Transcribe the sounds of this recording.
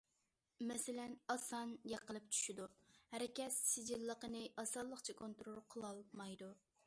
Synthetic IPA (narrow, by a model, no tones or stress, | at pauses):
mɛsɪlɛnɑsɑnjɑqəlˠɨp̚t͡ʃʰy̥ʃid̪uhæɾɪkʲɛt̪sɪd͡ʒilːəqənɨʔɑsɑlˠːəqt͡ʃʰɛkʰont̪ɾolˠqʰəlˠɑlˠmɑjd̪u